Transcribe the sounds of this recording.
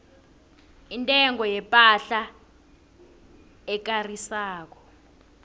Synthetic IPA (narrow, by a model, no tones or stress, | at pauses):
intʼɛŋɔjɛpʼaɬa | ɛk̬arisaːk̬ɔ̥